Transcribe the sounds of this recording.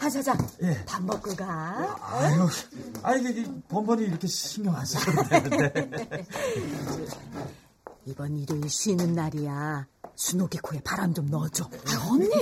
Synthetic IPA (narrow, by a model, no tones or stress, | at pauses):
pʰasʰad͡ʑajepambʌp̚k͈ɯɡaaʌaiɡeɡpʌmbʌniːɾʌkʰeɕʰiŋjʌŋɦaɕʰienɯe | ibʌniɾɯɭɕʰinɯnːaɾijasʰunoɡikʰoe̞paɾand͡ʑomnʌd͡ʑoaʌni